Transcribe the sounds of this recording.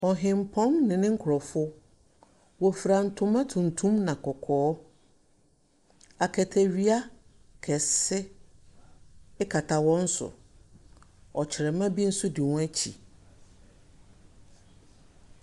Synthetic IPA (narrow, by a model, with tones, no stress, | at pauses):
ɔ˨ɦɪ̃˨m˨pʰɔ̃˦mnɪ̃˨nɪ̃˦ŋ̩˦kʰʊ˨ɾɔ˨fʊ˦ | wɔ˨fɾã˨n̩˨tʰʊ̃˦mã˦tʰũ˨ntʰũ˦mnã˨kʰɔ˨kʰɔː˨˦ | a˨kʰɛ˨tʰæ˨ɥi˦a˦ | kʰɛ˨sɪ˦ | ɪ˦kʰa˨tʰa˨wɔ̃˦n̩˦sʊ̰˨ | ɔ˨t͡ɕʰɪ˨ɾɛ˨mã˦bi˦n̩˦sʊ˦dɪ˨wʊ̃˦æ˦t͡ɕʰḭ˨